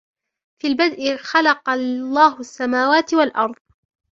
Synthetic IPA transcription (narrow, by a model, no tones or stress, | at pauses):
fiːlbad̪ʔɪxalɑqɑlːɑːɦʊsːamaːwaːt̪ɪwalʔɑɾˤðˤ